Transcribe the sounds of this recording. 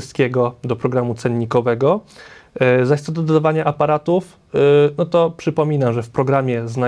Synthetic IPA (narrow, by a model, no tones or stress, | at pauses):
st̪̚kʲɛɡɔd̪ɔpɾɔɡɾamut̪sɛnːikɔvɛɡɔ | zaɕt̪ɔd̪ɔd̪ad̪avaɲaʔapaɾat̪uf | nɔt̪ɔpʂɘpɔmʲinamʐɛfpɾɔɡɾamʲjɛzna